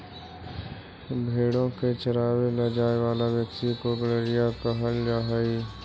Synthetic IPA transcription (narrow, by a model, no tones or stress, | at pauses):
bʱeːɽõket͡ʃəɾaːʋelɐd͡ʒaːeʋaːlaʋjəkt̪ikoɡəleɾɪjapəɦəld͡ʒaːɦiː